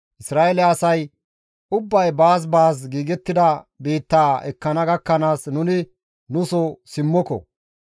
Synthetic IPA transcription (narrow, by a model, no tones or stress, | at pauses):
ʔɪsɾaːɛlɛɐsɐj | ʊbːɐjbaːs̬baːsɡiːɡɛt̪ːɪd̪ɐbiːt̪ːaːɛkːɐnɐɡɐkːɐnaːsnʊnɪ | nʊsɔsɪmːɔkɔ̰